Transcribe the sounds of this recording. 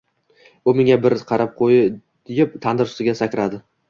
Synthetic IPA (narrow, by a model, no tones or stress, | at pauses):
ʊmɪŋabɪɾqʰɑɾap̚qʰojɪ̥ | jɪp̚t̪ʰand̪ɪɾʊ̥st̪ɪɡʲasakʲɾad̪ɪ